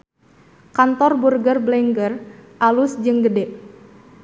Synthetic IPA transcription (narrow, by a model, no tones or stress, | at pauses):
kant̪ɔrburɡərblɛŋɡərʔalusd͡ʒɨŋɡədɛʔ